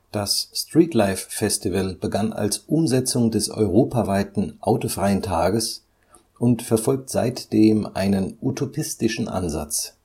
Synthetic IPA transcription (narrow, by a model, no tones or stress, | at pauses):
d̥asstʁ̥iːtʰlaɪfːɛstivəlb̥əɡana̰lsʔʊmzɛt͡sʊŋdɛsɔ̰ʏʁoːpavaɪtn̩ʔaʊtofʁ̥aɪəntʰaːɡəs | ʔʊntfɛɐfɔlk̚tz̥a̰ɪtd̥eːmʔa̰ɪnənʔutʰopʰɪstɪʃn̩ʔa̰nza̰t͡s